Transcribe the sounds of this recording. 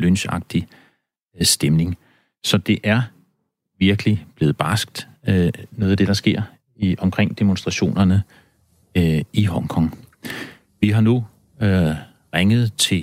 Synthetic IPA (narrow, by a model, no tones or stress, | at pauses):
lønɕɑ̈ɡ̥̚d̥i | sd̥emne̝ŋ | sɒ̽d̥e̝ʔæɐ | ʋiɐɡ̥əlib̥le̝ːð̩ˠb̥ɑsɡ̥̚d̥ | noːðˠæd̥e̝d̥ɑ̈sɡ̥e̝ɐ̰ | iɒ̽mkʰʁeŋ̰d̥e̝monsd̥ʁɑ̈ɕo̝̰ːnɐnə | iɦɒ̽ŋkʰɒ̽ŋ | ʋiɦɑ̈nu | ʁaŋəð̞̩ˠt͡sʰe̝